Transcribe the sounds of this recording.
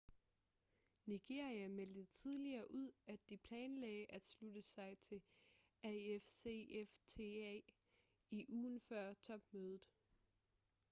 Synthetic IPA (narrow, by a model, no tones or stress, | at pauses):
niɡ̥e̝ɐ̰iæmeld̥ət͡sʰið̞ˠliɐːʔuð̰ˠæd̥ːipʰlɛːnlɛːɪʔæd̥slud̥əsɑ̈ɪt͡sʰe̝ | æefseeft͡sʰe̝ɛ | iʔuːnfɶɐ̰t͡sʰɒ̽b̥møːð̞ˠð̩ˠ